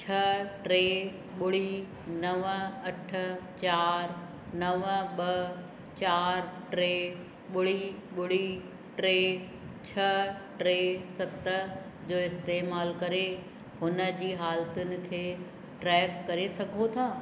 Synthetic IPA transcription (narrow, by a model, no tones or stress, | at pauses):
t͡ɕʰɐʈɾeː | ɓʊɽ̤i | nɐʋəɐʈʰʊ̆t͡ɕaːɾ | nɐʋəɓɐ | t͡ɕaːɾʈɾeː | ɓʊɽ̤iɓʊɽ̤i | ʈɾeː | t͡ɕʰɐʈɾeːsɐt̪ə | d͡ʑoːɪst̪eːmaːlkɐɾe | ɦʊnə̆d͡ʑiːɦaːlt̪ʊnɪ̆kʰeː | ʈɾɛːkːɐɾesɐɡʱot̪ʰaː